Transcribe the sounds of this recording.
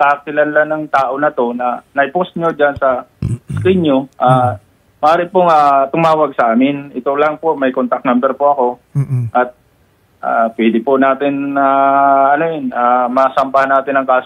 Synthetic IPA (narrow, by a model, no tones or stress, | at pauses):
k̪aʔk̚ɪlanlanɐŋt̪aːʔo̞nɐt̪o̞nɐnɐɪposɲod͡ʒansɐskiɲɲoʔaː | mɐʔaːɾɪpoŋaːt̪ʊmaːwɐɡ̚sɐʔaːmɪnɪt̪olɐŋpo̞ʔmɐjkont̪ɐk̪̚nambɛɾpoʔɐko̞ʔɐt̪̚ | ʔaːpwɛd̪ɪpʊnaːt̪ɪnaɐnojonamɐsɐmpahanːaːt̪ɪnɐŋkaːs